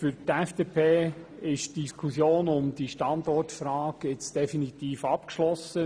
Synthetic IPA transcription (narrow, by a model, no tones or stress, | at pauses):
fʏɾtɛfd̥eːpʰeːɪʃtd̥iskʰusjoːnʊmd̥iʃtɑnd̪ɔrtfɾaːɡ̥jɪt͡sd̥ɛfinit̪iːfɑpkʃlɔsə